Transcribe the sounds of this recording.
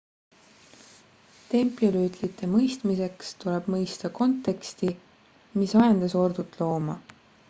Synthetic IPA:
t̪e̞mpˑiolyːt̪lit̪ːˑe̞mɤjst̪mise̞kst̪ule̞b̥mɤjst̪ɑko̞nt̪ːˑe̞kst̪i | misɑjɑnd̪̥ɑso̞rd̪̥ut̪ːˑlo̞ːmɑ

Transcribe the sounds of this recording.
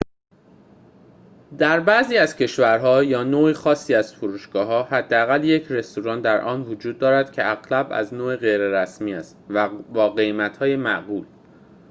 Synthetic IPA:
d̪æɾbæziːæzcʰe̞ʃvæɾɦɒːjɒːnoːiːxɒːsːiːæz̥foɾuːʃɡɒːɦɒːhæd̪ːeæɣælje̞cʰre̞st̪ʰuɾɒːnd̪æɾʔɒːnvod͡ʒuːd̪̚ːɒːɾæd̪̥cʰe̞æɣlæbæ̰znoːeɣejɾeɾæsmiːæst̪væbɒːɢe̞jmæt̪ʰhɒːjemæʔɣuːl

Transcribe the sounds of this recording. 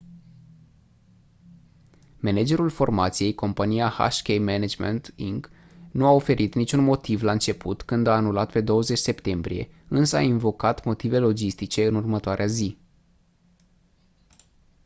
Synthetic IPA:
me̞ned͡ʒe̞ɾulfo̞rmat̪sije̞jko̞mpanijaha̰ʃkʲejmened͡ʒmḛnt̪iŋɡ | nuao̞fe̞ɾʔit̪nit͡ʃunmo̞t̪ivlaɨnt͡ʃe̞pʰut̪kɨnd̪aːnulat̪pe̞d̪o̞wəze̞t͡ʃʲse̞pt̪e̞mbɾḭje̞̰ɨnsəa̰invo̞kat̪mo̞t̪ive̞lo̞d͡ʒist̪it͡ʃe̞ɨnurmət̪oaɾeazi

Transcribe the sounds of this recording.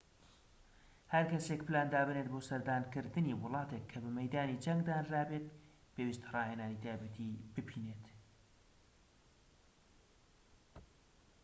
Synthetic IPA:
hɐɾkɐsekpɨlaːnd̪aːbɨnet̪̚boːsɐɾd̪aːnkɨɾd̪ɨniwʊlˠɑːt̪ekʰːɐbɨmɐjd̪aːnid͡ʒɐŋɡd̪aːnraːbet̪̚ | pewist̪rɑːhenaːnit̪ʰaːjbɛt̪ʰibɨpʰiːneːt̪

